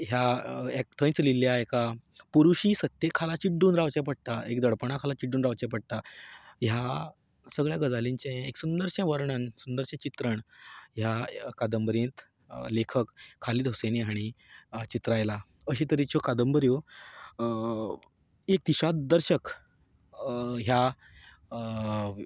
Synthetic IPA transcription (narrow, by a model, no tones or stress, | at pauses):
ɦjaek̚t̪ʰə̃j̃t͡sliljaekapuɾuɕiːsət̪ːjekʰːalat͡ɕiʈːuːnɾaʋt͡ɕɛp̬əɽ̚t̪aʔekd̪əɽpəɳ̃akʰalat͡ɕiɖuːnɾaʋt͡ɕɛpəɽ̚t̪aja | səɡɭjaɡəd͡zaliɲt͡ɕẽeksund̪əɾɕãʋəɾɳansund̪əɾɕɛ̃t͡ɕit̪ɾəɳɦjakad̪əmbəɾjẽt̪ | lekʰəkʰːaliːd̪ʱɦoseneɦaɽ̃it͡ɕit̪ɾajlaəɕiːt̪əɾit͡ɕokad̪əmbəɾjo | ek̚t̪iɕad̪əɾɕək | ɦja